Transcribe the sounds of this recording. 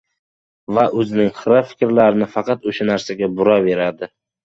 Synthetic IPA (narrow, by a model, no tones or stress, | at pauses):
vaʔɵzɪnɪŋχɨɾafɪ̥kʲɾlaɾɪnɪfɑqʰɑt̪ʊʃanaɾsaɡʲabʊɾɒve̞ɾad̪ɪ